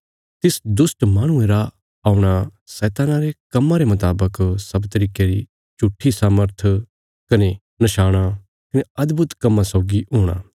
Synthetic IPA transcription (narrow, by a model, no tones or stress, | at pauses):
t̪ɪsd̪ʊsʈmaːɽ̃ʊ̃eɾa | aːuɽ̃asɛːt̪aːnaɾekɐmːãɾemɐt̪aːbəksɐbt̪ɐɾiːkeɾi | t͡ʃʊʈʰːisaːməɾt̪ʰ | kɐne | nɐʃaːɽ̃a | kɐneɐd̪bʱʊt̪kɐmːãsɔːɡiɦoːɽ̃a̰ː